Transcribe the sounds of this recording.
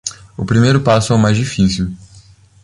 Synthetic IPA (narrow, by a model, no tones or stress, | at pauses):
ʊpɾimejɾʊpasʊawmajzd͡ʒifisiw